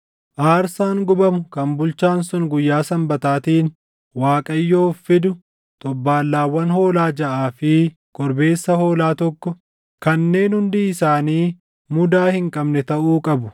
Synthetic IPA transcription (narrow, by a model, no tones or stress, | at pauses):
ʔaːɾsaːŋɡʊbɐmʊkɐmbʊlt͡ʃaːnsʊŋɡʊjːaːsɐmbɐt̪aːt̪iːn | waːkʼɐjːoːfːɪd̪ʊ | t̪ʼɔbːaːlːaːwːɐnho̞ːlaːd͡ʒɐʔaːfɪ | ɡ̥ɔɾbe̞ːsːɐho̞ːlaːt̪ɔkːɔ | kɐnːe̞ːnhʊnd̪iːɪsaːniː | mʊd̪aːhɪŋkʼɐbnɛt̪ɐʔuːkʼɐbʊ